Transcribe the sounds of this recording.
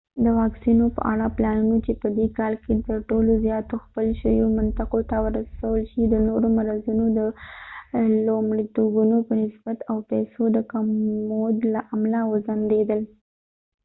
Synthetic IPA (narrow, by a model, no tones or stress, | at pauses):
d̪əwɑksinopə̰ʔa̰ɽaplɑnunot͡ʃepəd̪ekɑlket̪əɾʈolozjɑt̪oxpəlʃəjomant̪ɪqot̪awəɾasawəlʃid̪ənoɾomaɾazunod̪ə | lomɽit̪oɡunopənɪsbat̪awpɛsod̪əkamːod̪laʔamlawəzand̪ed̪əl